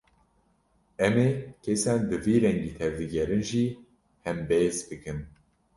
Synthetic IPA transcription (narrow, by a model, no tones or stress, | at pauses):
ɛmeːkʰesaːnd̪ɨviːɾɛŋɡiːt̪ʰɛvd̪ɨɡɛɾɨnʒiː | hɛmbezbɨkɨn